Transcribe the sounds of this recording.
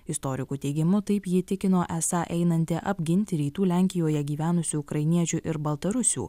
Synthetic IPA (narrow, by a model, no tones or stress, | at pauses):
ɪst̪oːɾʲɪkuːt̪ʲɛɪɡʲɪmʊt̪ɐɪpjɪt̪ʲɪkʲɪnoːʔɛsɑːʔɛɪnɐnʲt̪ʲɪʔɐbʲɡʲɪnʲt̪ʲɪɾʲiːt̪uːlʲæˑŋʲkʲɪjoːjɛɡʲiːʋʲæːnʊsʲuːʊkɾɐɪnʲiɛt͡ʃʲʊʔɪɾbɐlˠt̪ɐɾʊsʲṵː